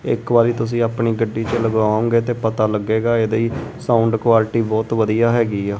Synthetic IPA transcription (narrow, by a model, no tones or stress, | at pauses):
ɪ̰kbaːɾiːt̪ʊs̬ĩːaːpɳiːɡəɖːiːt͡ʃələɡʋaːõːɡeːt̪eːpət̪aːləɡːeːɡaːeːd̪əiːsãːʊɳɖkʊʋaːlɪʈiːbɔːt̪ʋəd̪ijaːɦɛːɡiːɛː